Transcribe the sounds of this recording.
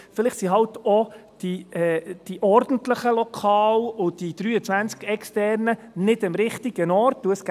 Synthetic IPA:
fɪlɪχsiɦɑltɔd̥iɛd̥iʔɔɾd̥n̩tləχəlɔkʰɑːlʊd̥id̪̥ɾyːət͡sʋænt͡skɛkstɛɾnənɪdəmɾɪχtiɡ̥ənɔrt̚duəsɡ

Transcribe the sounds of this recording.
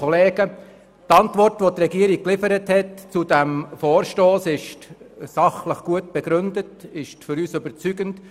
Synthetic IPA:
ɔleːɡə | tɑntvɔrtʋot̪rɛɡiəɾik̚kːlɪfəɾəthɛtt͡sudæmfoːɾʃtoːsɪʃtsɑχləχɡ̥uətb̥ɛɡ̥ɾʏndətɪʃtfʏɾyːsʏbəɾt͡syɡənt

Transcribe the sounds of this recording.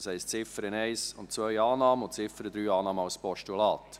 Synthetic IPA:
shɛɪst͡sɪfəɾənɛɪsʊntt͡sʋœʏɑːnɑːməʊ̃ntt͡sɪfəɾəd̪ɾyːɑːnɑːmɑʊspɔʃtulɑːt

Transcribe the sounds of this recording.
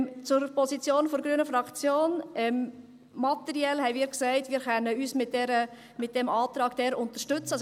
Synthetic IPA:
t͡sʊɾpɔsit͡sjoːnfɔɾɡɾyənəfɾɑkt͡sjoːnɛm | mɑtɛɾiɛlhɛɪmiːɾksæɪtmiːɾχɛnːəyːsmɪt̚dɛɾə | mɪt̚d̥ɛmɑːtɾɑːɡd̥ɛːɾʊntəʃtʏt͡səɑ

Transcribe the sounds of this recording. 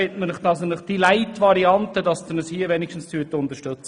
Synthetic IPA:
etmənɪχdɑsənɪχd̥ilaɪtʋɑɾiɑntədɑsd̥̪ənəshiːəʋɛnɪkʃtn̩st̪ʰyːətʊnt̪əʃtɵt͡s

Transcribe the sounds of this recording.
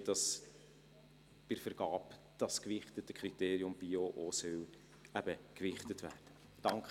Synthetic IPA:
d̥ɑs | b̥ɪɾfəɾɡ̥ɑːp | d̥ɑskvɪχtətəkʰχɾit̪eːɾiʊmb̥ioʔosœw | æb̥əkvɪχt̪ətvæːrd̥ə | d̥ɑŋk

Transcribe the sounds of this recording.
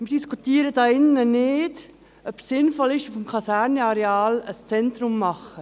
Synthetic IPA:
mɪɾd̥iskutiːəɾədɑːɪnːənɪːd | œpsɪnfɔlɪʃufmkʰɑsæɾnɛɑɾeɑːləst͡sɛntɾʊmːɑχə

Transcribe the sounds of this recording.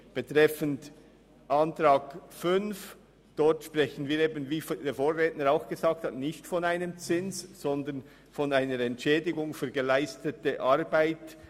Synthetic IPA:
b̥ətʁ̥ɛfənt | ʔantɾaːɡfʏnf | d̥ɔrtʃprɛçən̩viːɾeːbənviːfdeːfoːrːɛːtnəɾaʊxɡ̥əzaːk̚thatnɪçtfɔnaɪnəmt͡sɪnsz̥ɔndən | fɔnaɪnəɾɛntʃɛːdɪɡʊŋfyːɐɡəlaɪstətəʔaɾbaɪt

